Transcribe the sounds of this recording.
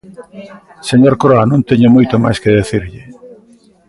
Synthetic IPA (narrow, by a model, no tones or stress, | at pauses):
seɲoɾkɾoanõnt̪eɲomojt̪oma̰jskeðeθiɾʎɪ